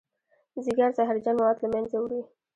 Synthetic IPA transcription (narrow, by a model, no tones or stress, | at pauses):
zɪɡaɾzaɦaɾd͡ʒanwat̪lamanzawɾi